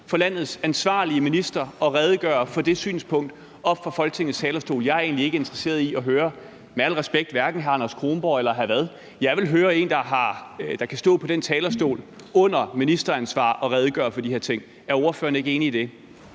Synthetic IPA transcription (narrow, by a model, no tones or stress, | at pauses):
fɒlæn̰ð̞̩ˠsænsʋɑ̰̈ːliəminisd̥ɐɒ̽ʁɛð̞ˠɡ̥ɶːɐfɒ̽d̥e̝sy̰ːnspʰɔ̽ŋ̰d̥ | ɒ̽b̥fɑ̈fɒ̽lɡ̥ət͡sʰe̝ŋ̰ð̩st͡sʰɛːlɐsd̥o̝̰ːljɑ̈ɪæɐe̝̰ːnlie̝ɡ̥əe̝nd̥ʁɐse̝̰ːɐð̞ˠiɒ̽ɦøːɐ | meæl̰ʁɛsb̥eɡ̥̚d̥ʋæɐɡ̥n̩ɦæɑnɐskʰʁoːmb̥ɒ̰elɐɦæʋæð̞ˠ | jɑ̈ɪʋe̝lɦøːɐe̝̰ːnd̥ɑ̈ɦɑ̈d̥ɑ̈kʰæsd̥ɔ̰̽ːpʰɒ̽d̥ent͡sʰɛːlɐsd̥o̝̰ːl | ɔ̽n̰ɐminisd̥ɐænsʋɑ̰̈ːʔɒ̽ʁɛð̞ˠɡ̥ɶɐfɒ̽d̥ihe̝ɐ̰t͡sʰe̝ŋ̰ | æɐɔ̝ɐfø̰ːɐnəe̝ɡəe̝ːniid̥e̝